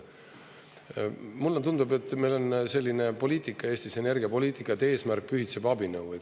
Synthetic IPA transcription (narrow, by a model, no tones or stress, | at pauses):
mulːet̪und̪ube̞t̪ːˑmejlo̞nse̞lʲːine̞po̞lʲiːt̪ˑikːˑɑeːsʲt̪ise̞ne̞rɡ̥iɑpo̞lʲiːt̪ˑikːˑɑt̪ːe̞ːsmærk̚pyhit̪sebɑbinɤwe